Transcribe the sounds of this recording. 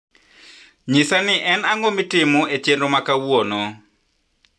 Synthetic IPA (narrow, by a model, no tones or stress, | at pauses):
ɲisanɪʔɛnaŋɡomɪtɪmoet͡ʃjendomakawwonɔ